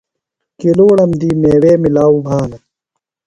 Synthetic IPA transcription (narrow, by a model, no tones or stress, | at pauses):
keloːɽɐmd̪iːmeːweːmilaːubʱaːnɐ